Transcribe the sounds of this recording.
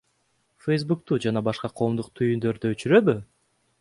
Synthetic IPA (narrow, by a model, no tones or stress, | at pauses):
fejzbuk̚t̪uːd͡ʒɑnɑbɑʃqɑqʰo̞ːmd̪uq̚t̪ʰyjynd̪ø̞ɾd̪øøt͡ʃyɾø̞βy